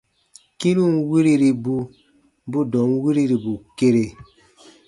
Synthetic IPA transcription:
ki˦ɾu˦˨nwi˦ɾi˦ɾi˨bu˦ | bu˦dɔ˨˦ŋwi˦ɾi˦ɾi˨bu˨ke˦ɾe˨

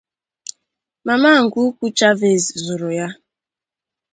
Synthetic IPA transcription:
ma˨ma˦˨ŋ̩˨ɡu˦ku˦t͡ʃa˦ve˦˨zzu˨ɾʊ˨ja˦

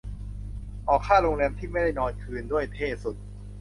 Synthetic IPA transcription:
ʔɔː˨˩kʰːaː˥˩ɾo˧ŋlɛː˧mt̪ʰiː˥˩ma˥˩jda˥˩jnɔː˧nkʰɯː˧ndu˥˩əjt̪ʰeː˥˩su˨˩t̪̚

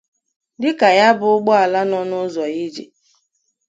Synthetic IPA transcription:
dɪ˦ka˨ja˦bʊ˨ʊ˦ɡ͡bɔ˦a˨la˦nɔ˦nʊ˦zɔ˨ji˦d͡ʒḭ˨

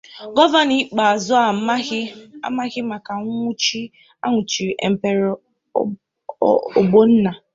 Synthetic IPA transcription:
ɡɔ˦va˦ni˦k͡pa˨zʊ˦a˨˦a˦ɪ˦a̰˦ma˦ɣɪ˦ma˨ka˨˦ŋʷu˦t͡ʃi˦ | a̰˦ŋʷʊ˨t͡ʃi˨ɾʔḛ˨m̩˨pe˨ɾ | o̰˨ɡ͡bo˦n̩˦na˨

